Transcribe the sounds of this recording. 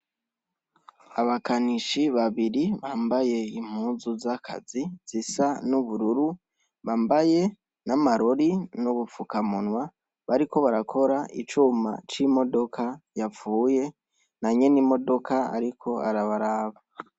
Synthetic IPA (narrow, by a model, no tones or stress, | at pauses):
aβakaniʃiβaβiɾiβaːmbaje̞im̥huːzuzakʰa̰ziz̥isanuβuɾuɾu | βaːmbaje̞ | namaɾo̞ɾinuβufukamunwa | βaɾiko̞βaɾakʰo̞ɾaḭt͡ʃuma̰t͡ʃimo̞do̞kʰajap͡fuːje̞ | naɲe̞nimo̞do̞kʰaa̰ɾikʰo̞a̰ɾaβaɾaːβa